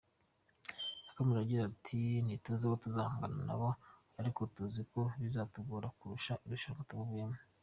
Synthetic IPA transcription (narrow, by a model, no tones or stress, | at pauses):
akomiɾaɟiɾatʰinituuzekotuzaːhaŋɡanana̰βo | aɾiko̞tuziko̞βizaːtuɡuːɾakuɾuʃauɾiʃaŋkataβoβɡeme